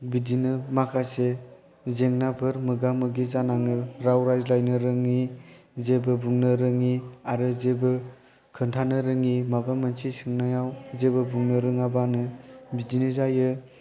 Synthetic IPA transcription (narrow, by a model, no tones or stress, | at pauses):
bidinɯmakʰase | zeŋnabʰɯɾmɯɡamɯɡizanaŋɯɾawɾajzlajnɯɾɯŋi | zebɯbuŋnɯɾɯŋiaɾɯzebɯ | kʰɯntʰanɯɾɯŋimabamansʰisɯŋnajawzebɯbuŋnɯɾɯŋabanɯbidinɯzajɯ